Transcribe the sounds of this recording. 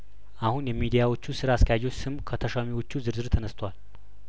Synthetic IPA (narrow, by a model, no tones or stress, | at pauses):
ʔahunjɛmid̪ijawo̞t͡ʃːusɨɾaskʰəjajo̞t͡ʃːsɨmkʰət̪ʰəʃamiwo̞t͡ʃːuzɨɾzɨɾt̪ʰənəst̪ʰəwal